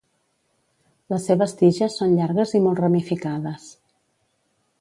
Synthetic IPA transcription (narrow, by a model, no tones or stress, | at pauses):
ləsːeβəst̪iʒəsːonʎaɾɣəzimɔlˠt̪rəmifikaðəs